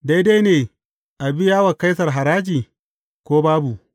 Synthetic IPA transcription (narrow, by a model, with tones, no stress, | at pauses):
da˦jde˦neː˨ | ʔa˨bi˦jaː˦wɐ˨ka˦jsɐ˨rɦa˨ɾaː˦d͡ʒiː˨ | kʷoː˦baː˦bu˨ʔ